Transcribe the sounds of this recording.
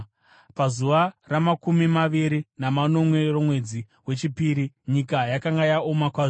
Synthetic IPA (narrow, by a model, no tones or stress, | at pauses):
pazuʋaramakumimaʋiɾinamano̞mwe̞romwe̞d͡zi | we̞t͡ʃipiːɾiɲikajakaŋɡajao̞makwaz